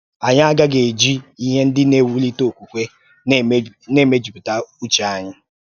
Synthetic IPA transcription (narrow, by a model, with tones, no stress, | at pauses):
a˨ɲa˦a˦ɡa˦ɡe˨e˨d͡ʒi˦i˦ɦe˦n̩˦dɪ˦ne˦˨wu˦li˦to˨o˨kʷu˨kʷe˦ | ne˦˨me˦d͡ʒu˨pi˨ta˦u˦t͡ʃa˦ɲɪ˦